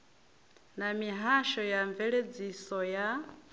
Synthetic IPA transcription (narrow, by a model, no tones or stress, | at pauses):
namiɦaʃɔjaɱvɛɺed͡zisɔja